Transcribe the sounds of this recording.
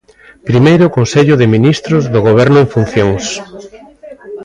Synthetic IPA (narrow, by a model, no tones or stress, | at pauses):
pɾimejɾʊkonseʎʊðɪminist̪ɾʊzðʊɣ̞oβ̞ɛɾnʊeɱfun̟θjoŋs